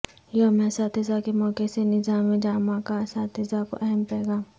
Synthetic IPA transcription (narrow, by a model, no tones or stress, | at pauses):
jomɛ̃ːsaːt̪ɪzakemɔːkesenɪzaːmẽd͡ʒaːmaːkasaːt̪ʰɪzako̰ʔɛɦɛmpɛːɡaː